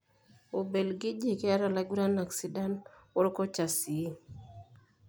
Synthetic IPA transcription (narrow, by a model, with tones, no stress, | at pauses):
o˨be˨lɡɪ˦d͡ʒi˦˨kɪ˦a˦ɾa˨la˨˦ɡu˦ɾa˦na˨ksi˨˦da˦nɔ˦ɾkɔ˦t͡ʃa˨si˨˦